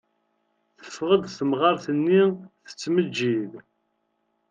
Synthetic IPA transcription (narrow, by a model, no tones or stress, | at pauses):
θə̥fʁəd̪θəmʁɑɾθənːiθə̥t͡sːməd͡ʒːið